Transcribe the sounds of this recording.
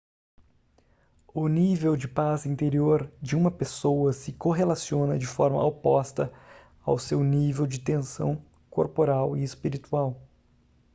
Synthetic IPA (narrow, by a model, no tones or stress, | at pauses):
ʊnivewd͡ʒɪpazĩnt̪eɾioɾd͡ʒɪũmɐpesowɐsɪkoɦelasiõnɐd͡ʒɪfɔɾmɐ̰opɔst̪ɐ | a̰wsewnivewd͡ʒɪt̪ẽsɐ̰̃w̃ | koɾpoɾawɪespiɾit̪uaw